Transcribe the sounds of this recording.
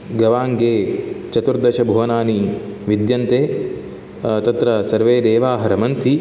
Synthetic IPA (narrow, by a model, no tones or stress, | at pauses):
ɡɐʋaːŋɡeːt͡ʃɐt̪uɾd̪ɐʃɐbʱuʋɐnaːniʋid̪jɐnt̪eː | t̪ɐt̪ɾɐsɐɾʋeːd̪eːʋaːɦɐɾɐmɐnt̪ʰi